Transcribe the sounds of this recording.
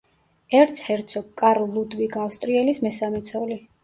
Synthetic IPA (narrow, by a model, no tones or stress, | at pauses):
ɛɾt̪sʰhɛɾt̪sʰɔɡkʼːaɾlːud̪viɡafst̪ʼɾiɛlismɛsamɛt̪sʰɔli